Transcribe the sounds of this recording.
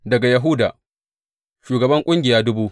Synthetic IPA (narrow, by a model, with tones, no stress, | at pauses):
dɐ˨ɡa˨jɐ˨ɦʊ˦daː˨ | ʃuː˨ɡɐ˨bɐ˦ŋkʷʼʊ˦ŋɡʲɪ˨jaː˦dʊ˦buː˦ʔ